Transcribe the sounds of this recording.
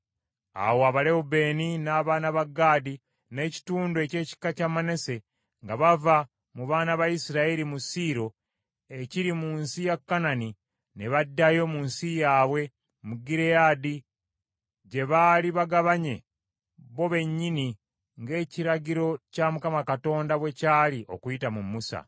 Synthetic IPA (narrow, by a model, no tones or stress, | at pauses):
a̰woaβale̞ube̞ːninaːβaːnaβaɡaːdi | ne̞ːci̥tuːndoece̞ːci̥kːacamane̞se̞ | ŋɡaβava | muβaːnaβaisiɾaeɾimusiɾo̞ | eciɾimuːnsijakːanani | ne̞βadːajo̞munsijaːwe̞ | muɡiɾejaːdi | ɟe̞βaːliβaɡaβaɲe̞ | βo̞βe̞ɲːini | ŋɡe̞ːciɾaɟiɾo̞camukamakato̞ːndaβwe̞caːliʔo̞kuitamumːusa̰